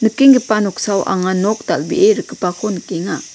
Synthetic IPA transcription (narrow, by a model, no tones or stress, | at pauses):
nəkeŋɡəpanɔk̚sawʔa̰ŋanɔk̚d̪albiʔeɾəkəpakʰɔnəkeŋa